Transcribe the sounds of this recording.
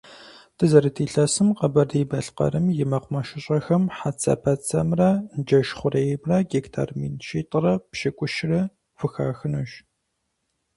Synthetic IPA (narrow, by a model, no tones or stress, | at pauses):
tʰɨzɐɾɨtʰiːɬɐsɨmqɐbɐrdiːbɐɬqɐ̰ɾɨmjɪmɐqʷʊmɐʃɪɕʼɐxɐmħat͡sʰʼɐ̰pʰɐt͡sʰʼɐ̰mrɐnd͡ʒɐʃχʷʊrejmrɐɡektʰa̰ːrmḭːnʃiːtʼrɐpʃɪkʷʼʊʃrɐ | fɨxaːxɨnuʒ